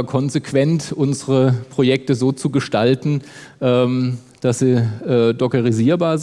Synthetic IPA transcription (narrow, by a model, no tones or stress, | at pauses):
kʰɔnzekv̥ɛntʔʊnzəʁəpʁ̥ojɛk̚təzoːt͡suɡəʃtaltn̩ʔɛːm | d̥asz̥iːʔɛːdɔkəʁiziːɐbaːɐz